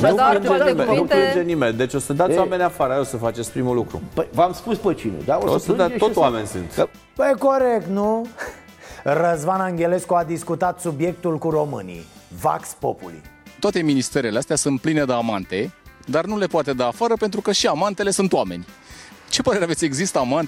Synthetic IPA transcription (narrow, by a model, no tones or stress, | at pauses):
nuind͡ʒeimenuplind͡ʒenimeld̪e̞t͡ʃʲo̞səd̪atsjwamenʲafaɾəaosəfat͡ʃet̪sʲpɾimulukɾṵpəjvamspuspət͡ʃinḛd̪aoosəd̪at̪ot̪wamenʲsɨ̰nt̪ | pəjko̞ɾek̚t̪nu | rəzvanaŋɡʲe̞le̞skuad̪iskut̪at̪subje̞k̚t̪ulkuro̞mɨ̰nʲḭva̰kspo̰pṵlḭt̪oat̪e̞minist̪e̞ɾeleast̪ʲasunt̪̚plined̪əamant̪e̞d̪arnule̞poat̪e̞d̪aːfaɾəpe̞nt̪ɾukəʃiamant̪e̞le̞sunt̪oame̞̰nʲt͡ʃe̞pəɾeeavet̪ʲe̞ɡzist̪aːmant̪